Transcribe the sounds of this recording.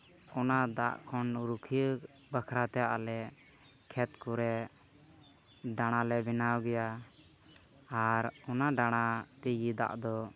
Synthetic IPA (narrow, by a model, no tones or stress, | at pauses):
ɔnad̪a̰ʔkʰɔnuɾukʰi | bəkʰɾat̪ɛjaʔlɛ | kʰɛt̪kuɾɛ | ɖaɽ̃alɛbɛnawɡɛja | aɾɔnaɖaɽ̃at̪iɡid̪a̰ʔd̪ɔ